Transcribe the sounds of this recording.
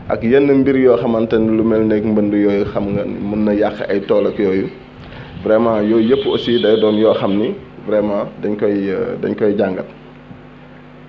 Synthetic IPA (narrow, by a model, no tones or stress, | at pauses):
ʔɐ̰kjɛnːəmbiɾjɔːxɐmɐntɛnlumɛlnɛkmbɐndujɔːjuxɐmŋɡɐnmunːɐjaxɐʔɐjtɔːlɐkjɔːju | vɾɛmãːjɔːjəpːɔsidɐjdɔːnjɔːxɐmnivɾɛmadɐɲkɔjdɐ̰ɲkɔjɟaŋɡɐt